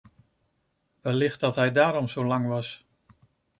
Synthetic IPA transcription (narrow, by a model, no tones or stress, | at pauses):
ʋɛlɪxt̚dɑtɦɛjdaːɾɔmzowlɑŋʋɑs